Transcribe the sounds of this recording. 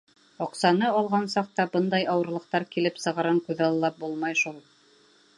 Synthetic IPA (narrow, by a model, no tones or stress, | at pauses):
ɑqsɑnɤɑlˠʁɑnsɑq̚t̪ɑbɤnd̪ɑjɑwɤ̆ɾlˠɤ̆q̚t̪ɑɾkilɘpsɤ̆ʁɤ̆ɾɤŋkʉðɑlˠɤlːˠɑp̚bulˠmɑjʃulˠ